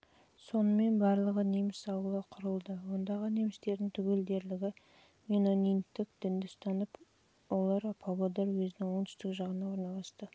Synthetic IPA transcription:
so̞nəme̞nbɑɾlˠəʁəne̞mɪsɑwəlˠəqʰʊɾəlˠd̪əwo̞nd̪ɑʁəne̞mɪst̪e̞ɾd̪ɪŋt̪ʰʏɡʲe̞ld̪e̞ɾlɪɡʲɪ | mʲino̞nint̪ːɪkd̪̥ɪnd̪ɪst̪ɑnəp | olˠɑɾɑpʰɑbod̪ɑɾwɵzɪnɪŋwo̞ɴt̪ʏ̥st̪ɪkʒɑʁənɑwo̞ɾnɑlˠɑst̪ə

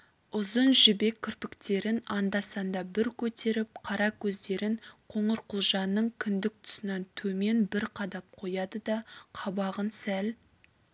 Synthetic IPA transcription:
ʊzənʒʏbe̞kʲʰːʏɾpɪkt̪e̞ɾɪnɑnd̪ɑsɑnd̪ɑbɪɾkʲʰɵt̪e̞ɾɪp̚qʰɑɾɑkʲʰɵzd̪e̞ɾɪŋqʰo̞ɴəɾqʰʊlˠʒɑnːəɴkʲʰʏnd̪ɪk̚t̪ʰʊ̥sənɑnt̪ʰɵme̞nbɪɾqʰɑd̪ɑp̚qʰo̞jɑd̪əd̪ɑqʰɑbɑʁənsæl

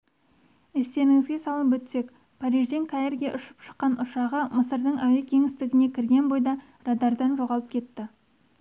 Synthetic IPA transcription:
est̪e̞nɪŋɪzɡʲe̞sɑlˠəpwɵt̪se̞k | pʰɑɾiʒd̪e̞ŋkʰaerɡʲeʔʊʃə̥pʃə̥qːɑnʔʊʃɑʁəməsəɾd̪əɴæwekʲʰe̞ŋɪst̪ɪɡʲɪne̞kʲʰɪɾɡʲe̞nbo̞jd̪ɑ | rɑd̪ɑɾd̪ɑnʒo̞ʁɑlˠəp̚kʲʰe̞t̪ːɪ

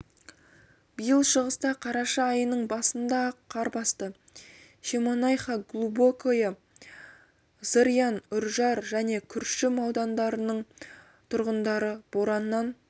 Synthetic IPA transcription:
b̥əjəlˠʃəʁəst̪ɑqʰɑɾɑʃɑːjənəɴbɑsənd̪ɑqʰɑɾbɑst̪ə | ʃemonɑjχɑɡlˠubokʰojɑ | z̥əɾijɑnʏɾʒɑɾʒæne̞kʲʰʏɾʃɪmɑwd̪ɑnd̪ɑɾənəɴ | t̪ʰʊɾʁənd̪ɑɾəb̥oɾɑnːɑn

